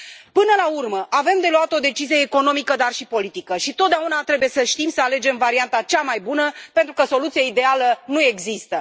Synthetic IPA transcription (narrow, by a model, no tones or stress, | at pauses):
pɨnəlaurməʔave̞md̪e̞luat̪o̞d̪e̞t͡ʃizijeːko̞no̞mikəd̪arʃipo̞lit̪ikəʃit̪ot̪d̪eaunat̪ɾe̞buje̞səʃt̪imsəale̞d͡ʒe̞mvaɾiant̪at͡ʃamajbunəpe̞nt̪ɾukəso̞lut̪sijaid̪e̞alənue̞ɡzist̪ə